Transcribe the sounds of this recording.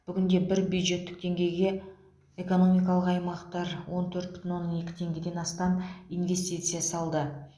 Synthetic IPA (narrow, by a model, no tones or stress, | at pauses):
b̥ʏɡʲɪnd̪e̞bɪɾbjud̪ʒe̞t̪ːɪk̚t̪e̞ŋɡʲe̞jɡʲe̞ | e̞ko̞no̞mʲijkɑlˠəqɑjmɑqt̪ɑɾwo̞nt̪ʰɵɾt̪̚pʏ̥t̪ʰʲɪnwo̞nːəne̞kʲɪ̥t̪ʰe̞ŋɡʲɪd̪e̞nɑst̪ɑninve̞st̪it̪sɨjasɑlˠd̪ə